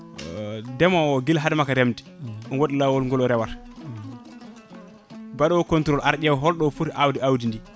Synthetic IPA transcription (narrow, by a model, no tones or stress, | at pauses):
dɛmɔwɔɡilɦadɛmakaɾɛmdiɔnwoɗilawɔlŋɡɔlɔɾɛwaɾ | baɗɔwɔkɔntɾɔlʔaɾd͡ʒɛwɦɔlɗɔfuɾʔawdiawdindi